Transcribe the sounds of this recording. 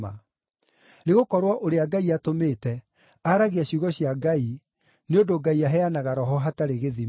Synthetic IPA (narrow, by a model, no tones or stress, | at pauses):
a̰ | neɣokɔɾwaʔoɾeaɡaiatomeːtɛ | aɾaɣeaɕuɣɔɕjaɡai | neondoɡaiaɦɛanaɣaɾɔɦɔɦataɾeɣeði